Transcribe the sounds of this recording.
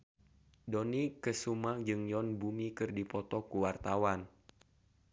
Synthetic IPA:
dɔnikəsumaŋd͡ʒɨŋjɔnbumikɨrdipɔt̪ɔkuwart̪awan

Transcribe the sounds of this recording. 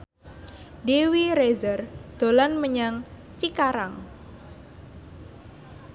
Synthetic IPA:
dewiɾezərd̪̥olanməɲaŋ | t͡ʃikaɾaŋ

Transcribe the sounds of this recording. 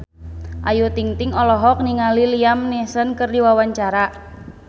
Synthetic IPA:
ʔajut̪iŋt̪ɪŋɔlɔɦɔk̚niŋaliliamnesənkərdiwawaɲt͡ʃaɾa

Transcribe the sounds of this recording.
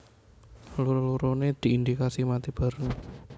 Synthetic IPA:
luɾoluɾoned̪̥i̤ind̪ikasimat̪ib̥a̤ɾəŋ

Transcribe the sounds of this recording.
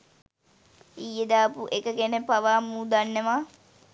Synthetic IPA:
ijːəd̪aːpuʔekəkenepaʋaːmuːd̪anːeʋa

